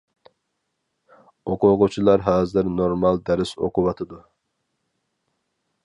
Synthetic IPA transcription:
oqʰʊʁʊt͡ʃʰilˠɑɾɦɑːzɨɾnoɾmɑlˠd̪ɛɾɪso̰qʰʊwɑt̪ʰɨd̪u

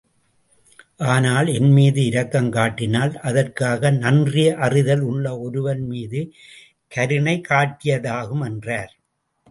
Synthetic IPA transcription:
ʔaːnaːlɛnmiːðɯɪɾɐkːɐmkaːʈːɪnaːlʔɐðɐrkaːɣɐnɐndrɪjɐʔɐrɪðɐlʊɭːɐɔɾɯʋɐnmiːðɯ | kɐɾɯɳɐɪkaːʈːɪjɐðaːɣɯmɛndraːɾ

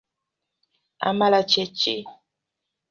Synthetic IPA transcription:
a̰malat͡ʃet͡ʃḛ

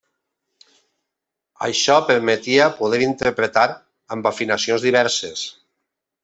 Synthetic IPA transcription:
a̰jʃɔpeɾmet̪iapuð̞eɾint̪eɾpɾet̪aɾ | ambafinasionzðiβɛɾses

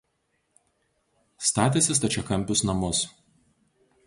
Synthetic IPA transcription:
st̪ɑːt̪ʲeːsʲɪst̪ɐt͡ʃʲɛkɐmʲpʲʊsnɐmʊs

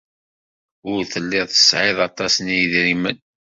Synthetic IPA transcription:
ʊɾθəlːɪðˤθə̥sʕɪðˤɑt̪ˤɑsənijðɾimən

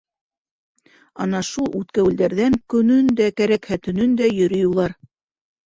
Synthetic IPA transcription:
ɑnɑʃulˠʉt̪kæwɘ̆ld̪æɾðæŋkɵ̆nɵnd̪ækæɾækhæt̪ɵ̆nɵnd̪æjɵ̆ɾɵ̆julˠɑɾ

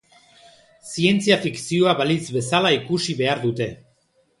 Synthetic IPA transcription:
sie̞nt͡siafiksio̞aβalizβe̞salaikusiβe̞aɾðut̪e̞

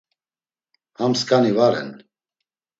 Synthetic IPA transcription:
hamskʼanivaɾɛ̰n

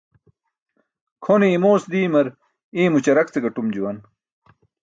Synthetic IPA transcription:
kʰoneimoːsd̪iːmɐɾ | iːmut͡ɕɐɾɐk̚t͡seɡɐʈumd͡ʑuwɐn

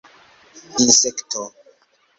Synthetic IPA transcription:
insektʰo

